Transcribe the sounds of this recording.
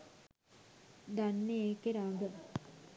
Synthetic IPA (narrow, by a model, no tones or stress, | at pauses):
d̪anːeːkeɾaːɡə